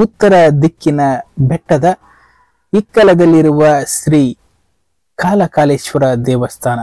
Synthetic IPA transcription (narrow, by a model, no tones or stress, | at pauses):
ut̪ːɐɾɐd̪ikːinɐbɛʈːɐd̪ɐ | ikːɐlɐd̪ɐlːiɾuʋɐʃɾiː | kaːlɐkaːleːʃʋɐɾɐd̪ɛːʋɐst̪ʰaːnɐ